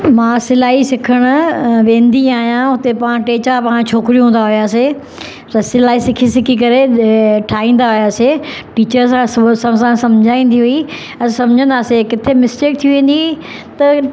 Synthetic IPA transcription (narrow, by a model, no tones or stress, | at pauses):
mãːsɪlaːisɪkʰəɽ̃ʊ̆ʋẽːnd̪iaːɦijãʊt̪epãːʈeːt͡ɕapãːt͡ɕʰoːkɪɾijũɦũːn̆d̪aɦʊijaːse | t̪ɐsɪlaːɦisɪkʰisɪkʰikɐɾeʈʰaːĩːn̆d̪aɦʊjaːseʈiːt͡ɕəɾsãssãsãsɐ̃md͡ʑʱaːĩːn̆d̪iɦui | sɐ̃md͡ʑʱə̃nd̪aːsekɪt̪ʰemɪsʈeːk̚t̪ʰijuʋẽːn̆d̪i | t̪ɐ